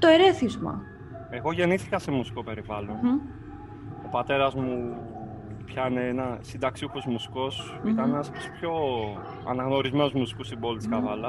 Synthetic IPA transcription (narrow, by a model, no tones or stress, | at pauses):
t̪oeɾeθizmɐ̰ | e̞ɣo̞ʝe̞niθikɐse̞musi̥ko̞pe̞ɾivɐlo̞n | o̞pɐt̪e̞ɾɐzmu | pçɐineenɐsind̪ɐksiuxozmusi̥ko̞s | it̪ɐnenɐst̪o̥spço̞ | ɐ̰nɐɣno̞ɾizme̞nozmusi̥kusibo̞lit̪i̥skɐvɐlɐ